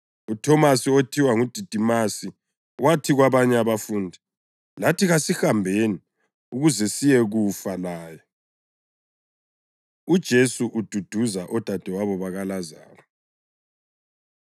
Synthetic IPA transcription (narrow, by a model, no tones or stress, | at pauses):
utʰɔmasiotʰiwaŋud̥ʱid̥ʱimasi | watʰiɣwaβaɲɛaβafuːndʱi | latʰiɣasihambʱeni | uɣuzɛsijɛɣufalaːjɔ | ud̥ʒ̥ʱesuʔud̥ʱud̥ʱuzaʔɔd̥ʱad̥ʱɛwaβɔβaɣalaza̰ːlɔ